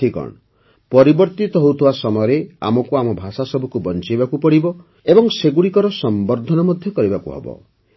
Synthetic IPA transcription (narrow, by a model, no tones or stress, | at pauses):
ikɔ̰ɳ̃ɔ | pɔɾibɔɾt̪it̪ɔɦowt̪ʰibasɔmɔjɔɾea̰mɔkuamɔbʱasasɔbʱɔkubɔnt͡ʃibakupɔɽibɔ | ebɔŋseɡuɽikɔɾɔsɔmbɔɾd̪ʱɔnɔmɔd̪ʱjɔkɔɾibakuɦɔ̰bɔ̰